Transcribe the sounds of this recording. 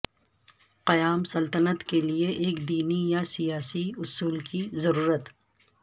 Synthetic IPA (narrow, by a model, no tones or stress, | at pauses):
qɐjaːmsɐlt̪ənət̪kelieʔeːkd̪iːnijasijaːsiʊsuːlkizɐɾuːɾət̪